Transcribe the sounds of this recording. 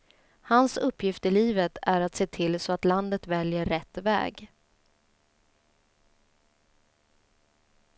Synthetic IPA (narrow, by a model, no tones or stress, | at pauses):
hansɵpːjɪft̪ɪliːvət̪ʰæɾat̪seːt̪ʰɪlsɔat̪land̪ət̪vɛljəːɛt̪ːvɛ̰ːɡ